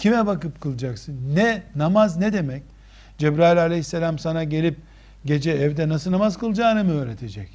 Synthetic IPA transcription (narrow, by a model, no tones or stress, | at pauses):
cʰimɛbakɯp̚kʰɯlˠɯd͡ʒaksɯnːɛnamaznɛd̪e̞mɛc̚ | d͡ʒebɾaːilʲalʲehisːelʲamsanaɟe̞lʲip̚ | ɟe̞d͡ʒɛːvd̪ɛnasɯnamazkʰɯlˠd͡ʒaːnɯmiøːɾe̞t̪ʰe̞d͡ʒɛc